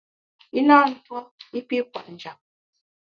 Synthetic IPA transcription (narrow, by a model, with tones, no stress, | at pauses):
i˦naː˦n̩˨twɔ˦i˦pi˦k̚wa˨ʔn̩˨d͡ʒa˨p̚